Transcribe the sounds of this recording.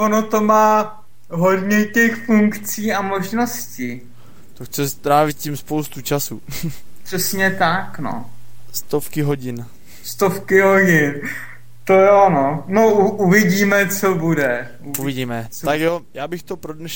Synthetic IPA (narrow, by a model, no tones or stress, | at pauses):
onot̪o̞maː | ɦo̞dɲɛcɛxfuŋkt͡siːamoʒnosci | t̪oxt͡sɛst̪ɾaːvɪt̪̚cimspowst̪ut͡ʃasupr̥ɛsɲɛt̪akno̰st̪ofkɪɦoɟɪn | st̪ofkɪɦoɟɪn | t̪ojononouʔuvɪɟiːmɛt͡sobudɛ | uuvɪɟiːmɛ | t̪akjojaːbɪxt̪opɾodnɛʃ